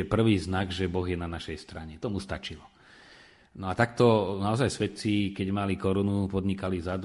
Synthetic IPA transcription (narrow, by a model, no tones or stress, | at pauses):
ɛpr̩ʋiːznaɡʒɛbɔɣjɛnanaʃɛjst̪ɾaɲɛt̪ɔmust̪a̰t͡ʃilɔ | nɔat̪akt̪ɔnaɔzajsʋɛt̪t͡sikɛɟmalikɔɾunupɔd̪ɲikalizad̪